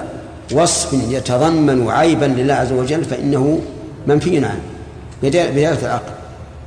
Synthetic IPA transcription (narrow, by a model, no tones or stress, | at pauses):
wɑsˤfɪnjat̪ɑðˤɑmːanʕajbanlɪlːaːhʕazːawad͡ʒalːfaʔɪ̰nːahʊ | manfijːʊnʕa̰nh | bɪd̪aːɾkalʕɑql